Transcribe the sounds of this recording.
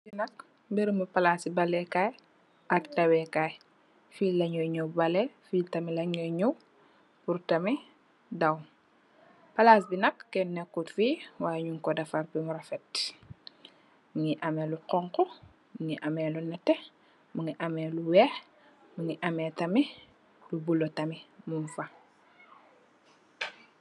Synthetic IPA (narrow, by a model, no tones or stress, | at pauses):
binɐk | beɾməpalaːsibɐlɛkaj | ʔattɐwɛkaj | fiːlɐɲɔjɲowbɐlɛfitɐmilɐɲɔjɲɔw | puɾtɐmi | dawm | pɐlaːs̬binɐkːɛnnːɛkːutfiːwaːɲuŋkɔdafaɾbimuɾafet | muŋiʔameluqɔŋko | muŋiʔameːlunɛtːe | muŋiʔameluwɛːx | muŋiʔametɐmi | lubulotɐmimuɱfa